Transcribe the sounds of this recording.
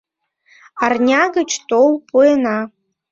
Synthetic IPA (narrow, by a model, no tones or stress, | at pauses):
arnʲaɡə̆t͡ɕt̪olˠpʰuenɑ